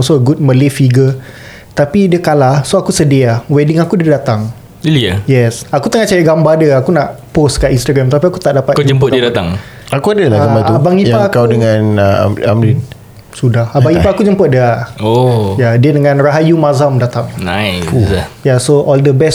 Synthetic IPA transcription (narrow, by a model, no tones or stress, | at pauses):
ɔsoɡut̚məlifiɡə | t̪apidiəkalahsoakusədiawɛdiŋakudədat̪aŋ | iajɛsakut̪əŋat͡ʃajaɡambadəakunaʔposkaʔinst̪aɡɾamt̪apiakut̪aʔdapat̪d͡ʒəmpʊtdiədat̪aŋ | akuadəlaɡambaubaŋiakawdəŋan̰amlin | sudahabaŋipaakud͡ʒəmpət̚dojadiədəŋãnraɦajumazamdat̪aŋna | jasoʔɔldəbɛs